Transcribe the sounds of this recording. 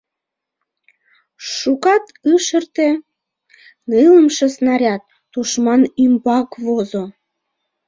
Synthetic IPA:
ʃukɑt̪ɯʃərt̪e | nɨləmʃesnɑɾʲɑt̪ːuʃmɑnymbɑkvozo

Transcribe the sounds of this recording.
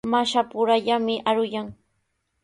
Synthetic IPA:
maʃapʊɾaʎamɪʔaɾʊjaŋ

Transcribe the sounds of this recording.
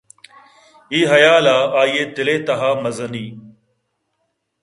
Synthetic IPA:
iːɦɐjaːlaːaːiːeːt̪ɪleːt̪ɐɦaːmɐzəniː

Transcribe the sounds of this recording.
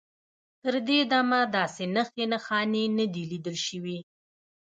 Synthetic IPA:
t̪əɾd̪ed̪amad̪ɑsenaxenaxɑnenəd̪ilid̪əlʃəwi

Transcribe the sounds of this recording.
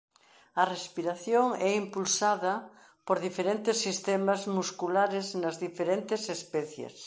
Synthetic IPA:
ɐrespiɾaθjoŋɛimpulsaðɐ | poɾðifeɾent̪esːist̪ɛmazmuskulaɾeznazðifeɾent̪esespɛθjḛs

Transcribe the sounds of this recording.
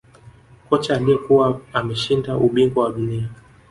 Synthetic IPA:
kɔt͡ʃaːlijɛkuwaamɛʃindaʔuɓiŋɡɔwaɗunia

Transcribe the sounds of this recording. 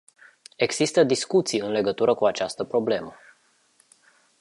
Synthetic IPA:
e̞ɡz̥ist̪əd̪iskut̪sijɨnle̞ɡət̪uɾʔəkuat͡ʃast̪əpɾo̞ble̞mə

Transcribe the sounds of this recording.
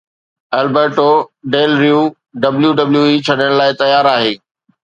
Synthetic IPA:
ɐlbəɾʈoɖeːlɾijuː | ɖɐbljuɖɐbljuit͡ɕʰɐɗjəɽ̃laːɪt̪ɐjaːɾaːɦeː

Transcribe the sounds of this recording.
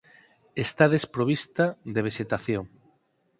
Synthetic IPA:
est̪aðespɾoβ̞ist̪aðd̪eβ̞eʃet̪aθjoŋ

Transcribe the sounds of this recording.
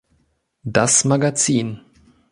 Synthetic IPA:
dasmaɡat͡siːn

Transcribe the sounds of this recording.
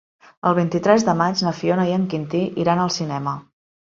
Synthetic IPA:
ə̰lˠβ̞int̪it̪ɾɛzðəmad͡ʒnəfionəiəŋkint̪iʔiɾanəlˠsinɛmə

